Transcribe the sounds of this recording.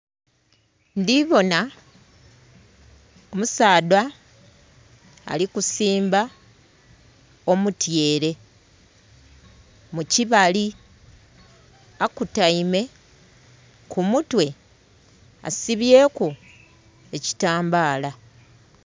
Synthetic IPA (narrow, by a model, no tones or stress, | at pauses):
ndiβo̞na | omusaːdwa | likusiːmba | o̞mutje̞ːɾe̞ | muciβali | akutaime̞ | kumutwe̞ | a̰siβje̞ːko | e̞ci̥taːmbaːla